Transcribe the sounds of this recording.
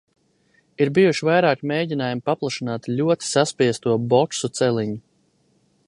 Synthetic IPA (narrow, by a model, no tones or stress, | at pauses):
iɾbijuʃivajɾaːkmejɟʲinaːjumipaplˠaʃinaːt̪ʎʲuɔt̪i̥saspiɛst̪uɔbɔtsut̪sɛlˠiɲu